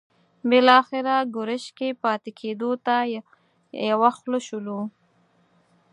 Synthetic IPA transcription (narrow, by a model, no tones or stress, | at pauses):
bɪlɑxɪɾaɡʊɾəʃkepɑt̪ekʰed̪ot̪a | jawaxləʃulu